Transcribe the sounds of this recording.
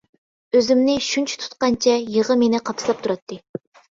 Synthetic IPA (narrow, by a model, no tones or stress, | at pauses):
øzɪmnɪʃunt͡ʃʰɛ̥t̪ʰu̥t̪̚qɑnt͡ʃʰɛjəʁəmenɪqʰɑpslˠɑp̚t̪ʰuɾɑt̪ʰːɨ